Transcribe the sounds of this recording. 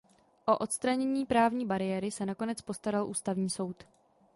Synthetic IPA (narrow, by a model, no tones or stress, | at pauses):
ʔo̞ʔo̞t̪st̪ɾaɲɛɲiːpɾaːvɲiːbaɾɪjɛɾɪsɛnako̞nɛt͡spo̞st̪aɾalʔuːst̪avɲiːso̞wt̪